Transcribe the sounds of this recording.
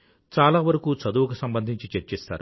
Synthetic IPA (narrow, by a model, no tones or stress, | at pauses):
t͡ʃaːlaːʋɐɾɐkuːt͡sɐd̪uːʋɐkusɐmbɐnd̪ʱiɲt͡ʃit͡ʃeɾt͡ʃeːst̪a̰ːɾu